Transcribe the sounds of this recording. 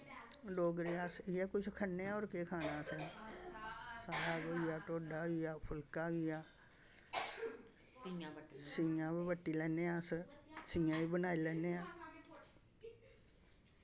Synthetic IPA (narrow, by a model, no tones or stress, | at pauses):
ɖoːɡɾeːaːsɪaːkʊt͡ʃʰkʰənːeːãːoːɾkeːkʰaːnaːsɛː | saːɾaːɡoːijaːʈoːɖaːijaːpʰʊlkaːʋiːaː | sĩãːbbəʈːiːlɛːneːãːssĩːãːiːbənaːiːlɛːneːãː